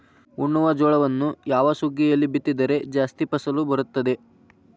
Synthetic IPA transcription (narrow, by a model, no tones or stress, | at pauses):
uɳːuʋɐd͡ʒɔːɭɐʋɐnːujaːʋɐsuɡːɛjɐlːibit̪ːid̪ɐɾe̞d͡ʒaːst̪ipɐsɐlubɐɾut̪ːɐd̪e̞